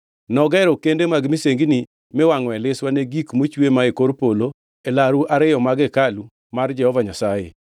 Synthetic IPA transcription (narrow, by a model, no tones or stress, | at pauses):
nɔɡɛɾɔkendemaɡmiseŋɡni | mɪwaŋɔɛlɪswaneɡikmot͡ʃwemaekoɾpolo | elaɾuʔaɾɪjɔmaɡɛkalu | mard͡ʒɛhɔvaɲasajḛ